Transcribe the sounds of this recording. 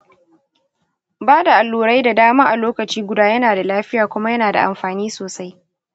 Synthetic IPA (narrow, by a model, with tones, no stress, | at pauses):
baː˦da˨ʔa˨lːuː˨ɾa˦jda˨daː˦maː˦ʔa˨loː˦kɐ˨t͡ʃiː˦ɡʷʊ˨daː˦jɐ˦naː˨da˨laː˦ɸɪ˦jaː˨kʷʊ˦ma˦jɐ˦naː˨da̰˨ʔa̰˨mɸaː˨niː˦soː˨sa˦j